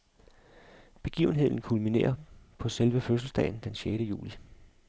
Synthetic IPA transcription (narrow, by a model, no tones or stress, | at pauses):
b̥e̝ɡ̥ḭːʊne̝ð̞̰ˠn̩kʰulmine̝̰ːɐpʰɒ̽selʋəføs̬l̩sd̥ɛ̰ɪn̩d̥enɕjeɾ̥əjṵːli